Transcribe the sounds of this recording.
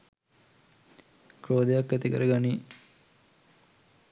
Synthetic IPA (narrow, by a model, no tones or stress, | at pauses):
kɾoːd̪ejakːæt̪ikəɾəɡani